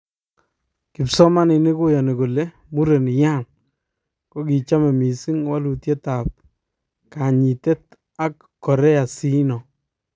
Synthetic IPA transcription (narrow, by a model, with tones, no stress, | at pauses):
kɪ˨psɔ˦ma˦nɪ˨ni˦ko˦jɔ˨ni˨ko˨le˦ | mu˦ɾe˨ni˨ja˦n | ko˦ki˨t͡ʃa˦mɛ˨mi˨si˦ŋwa˦lu˨tje˦ta˨p̚ | ka˨ɲi˨te˦t̚ | a˦kːɔ˨ɾɛ˦a˨si˦nɔ˨